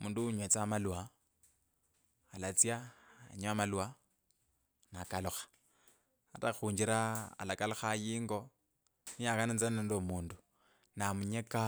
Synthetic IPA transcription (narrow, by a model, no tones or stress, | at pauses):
muːnduuɲwet͡samaluwa | lat͡sjaa̰ɲamalwa | nakaluxḁ | ataxuːɲd͡ʒiɾaa̰lakaloxajiːŋɡo̞ | nijakanint͡sanendomuːndu | namuɲeka